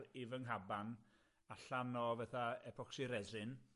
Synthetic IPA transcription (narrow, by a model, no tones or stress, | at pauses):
rivəŋɦaban | aɬanɔvaθaɛpʰɔksɪɾɛzɨn